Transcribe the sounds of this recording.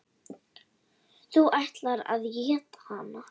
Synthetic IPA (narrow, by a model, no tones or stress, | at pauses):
θuʔajht̪laɾa̰ðjɛːt̪ḁhana